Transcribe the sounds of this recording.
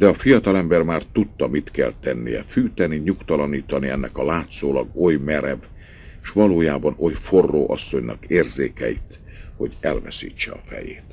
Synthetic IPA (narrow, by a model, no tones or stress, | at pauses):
d̪ɛɒfijɒt̪ɒlɛmbɛrmaːrt̪ut̪ːɒmit̪kɛ̰lt̪ɛnːḭjɛ̰fyːt̪ɛniɲukt̪ɒlɒniːt̪ɒniɛnːɛkɒlaːt̪soːlɒɡo̞jmɛɾɛb | eʃʋɒloːjaːbɒno̞jfo̞rːo̰ːʔɒsːo̞ɲnɒ̰keːrzeːkɛjḭt̪ | ho̞ɟɛlvɛsḭːt͡ʃːɛɒfɛ̰jeːt̪